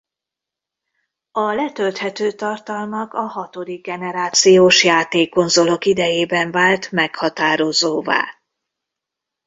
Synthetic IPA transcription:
ɒlɛt̪ølt̪hɛt̪øːt̪ɒrt̪ɒlmɒkɒɦɒt̪o̞d̪iɡ̚ɡɛnɛɾaːt̪sijoːʃjaːt̪eːkːo̞nzo̞lo̞kid̪ɛjeːbɛɱvaːlt̪mɛkhɒt̪aːɾo̞zoːva̰ː

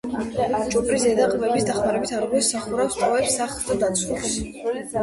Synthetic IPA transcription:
t͡ʃʼupʰʼɾisɛd̪aqʼmɛbisd̪aχmaɾɛbit̪ʰaɾʁwɛsaχuɾafst̪ʼɔɛpsːaχd̪ad̪at̪sʰulps

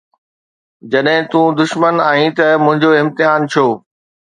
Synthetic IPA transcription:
d͡ʑɐɗɦɪ̃t̪ũːd̪ʊʃmənaːɦĩt̪ɐmʊ̃ɦɪ̃ɲd͡ʑoɪ̃mt̪ɪɦaːnt͡ɕʰoː

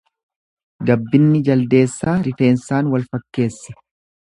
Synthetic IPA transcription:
ɡɐbːɪnːɪd͡ʒɐld̪e̞ːsːaːɾɪfe̞ːnsaːnwɐlfɐkːe̞ːsːɐ̥

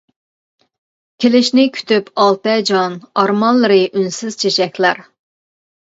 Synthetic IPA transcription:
kʲʰelɪʃnɪkʲʰy̥t̪ʰypʰɑlˠt̪ɛd͡ʒɑnɑɾmɑnlːˠɨɾɨʔynsɪz̥t͡ʃʰeʃɛkʲʰlæɾ

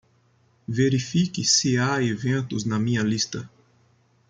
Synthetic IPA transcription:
veɾifikɪsɪaevẽnt̪ʊznɐmĩɲɐlist̪ɐ

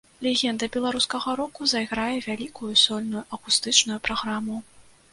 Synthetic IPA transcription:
lʲɛɣʲɛnd̪ɐbʲɛlˠaɾuskɐɣɐɾɔkuzɐjɣɾajɛvʲalʲikujusʲɔlʲnujuʔɐkust̪ɨt͡ʂnujupɾaɣɾamu

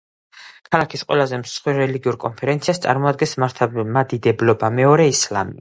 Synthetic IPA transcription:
kʰalˠakʰisqʼwɛ̰lazɛmsχwiɾɾɛliɡiuɾkʼɔnpʰɛɾɛnt̪siast̪sʼa̰ɾmɔad̪̚ɡɛnsʰmad̪id̪ɛblɔbamɛɔɾɛislamḭ

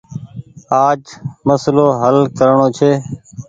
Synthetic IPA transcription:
aːd͡ʒməsloːɦəlkəɾɳoːt͡ʃʰeː

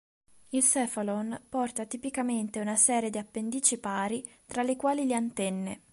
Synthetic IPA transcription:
ilsɛfalonpɔrt̪at̪ipikament̪eunasɛːɾjed̪iapːend̪iːt͡ʃipaːɾit̪ɾalekwaːliliant̪ɛnːe

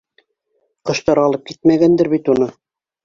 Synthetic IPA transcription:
qɤ̆ʃt̪ɑɾɑlˠɤp̚kit̪mæɡænd̪ɘɾβit̪unɤ

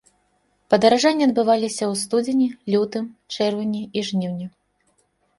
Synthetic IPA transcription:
pɐd̪ɐɾaʐanʲːiɐd̪̚bɨvalʲisʲɐwst̪ud͡zʲenʲilʲut̪ɨmt͡ʂɛrvɐnʲiiʐnʲiwnʲi

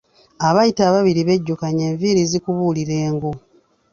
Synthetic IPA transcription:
aβajitaβaβiɾiβe̞ɟːukaɲeːɱviːɾizikuβuliɾe̞ːŋɡu

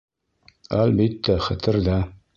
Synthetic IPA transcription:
ælbit̪ːæχɘ̆t̪ɘ̆ɾd̪æ

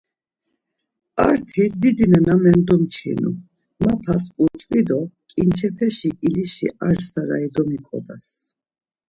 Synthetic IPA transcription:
aɾt̪ʰid̪id̪inɛnamɛnd̪ɔmt͡ʃʰḭnṵ | mapʰasuɾt͡s̪ʼvid̪ɔkʼint͡ʃʰɛpʰɛʃiʔiliʃḭaɾsaɾaid̪ɔmikʼɔ̰d̪as

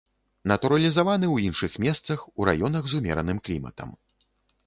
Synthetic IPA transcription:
nɐt̪uɾɐlʲizavanɨwinʂɨxmʲɛst̪sɐxuɾa̰jɔnɐɣzumʲɛ̰ɾɐnɨmklʲimɐ̰t̪ɐ̰m

